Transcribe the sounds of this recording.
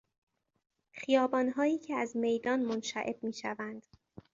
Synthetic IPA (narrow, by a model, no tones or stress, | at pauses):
xijɒːbɒːnɦɒːjiːcʰeæzme̞jd̪ɒːnmonʃæ̰ʔe̞̰bmiːʃævænd̪̥